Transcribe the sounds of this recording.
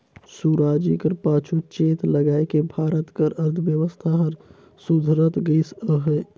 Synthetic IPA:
suɾaːd͡ʒikəɾpaːt͡ʃʰut͡ʃeːt̪ləɡaːekebʱaːɾət̪kəɾəɾd̪ʰəʋjəʋəst̪ʰaɦəɾ | sud̪ʱɾət̪ɡəsəɦɛ

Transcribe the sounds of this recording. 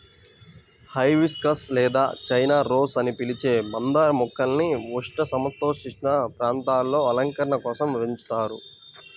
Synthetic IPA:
hɐjʋiskɐslɛːd̪a̰ːt͡ʃɐjnaːɾo̞ːsɐnipilit͡ʃe̞ːbɐnd̪aːɾɐmɔkːɐlniʋuʂʈɐsɐmt̪o̞ːʂit͡ʃinɐpɾaːnt̪aːlːo̞ːɐlɐŋkɐɾɐɳɐkɔːsɐmʋeɲt͡ʃu̥t̪aːɾu

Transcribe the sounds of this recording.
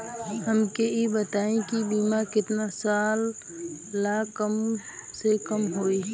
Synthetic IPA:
ɦəmkeibət̪aːẽkibiːmaɾkɪt̪nasaːlː | aːkəmsekəmɦoːi

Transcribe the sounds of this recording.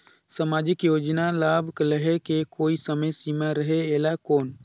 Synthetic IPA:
samaːd͡ʒɪkjoːd͡ʒnalaːbʱkləɦekekoːisəməjsimaɾəɦeeːlakoːn

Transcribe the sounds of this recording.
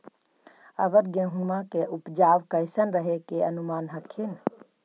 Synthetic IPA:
ə̰bəɾɡẽɦumakeʔupd͡ʒaʋkəɪsənɾəɦekeənumanɦəkʰin

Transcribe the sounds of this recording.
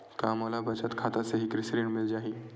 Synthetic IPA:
kaməlabət͡ɕat̪kʰat̪aseɦiːkɾisɾiːɳmild͡ʑaɦiː

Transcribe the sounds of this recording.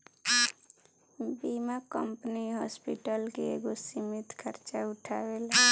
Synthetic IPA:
bimakəmpniɦɔspiʈəlkeeɡosimit̪kʰəɾt͡ʃaʊʈʰawela

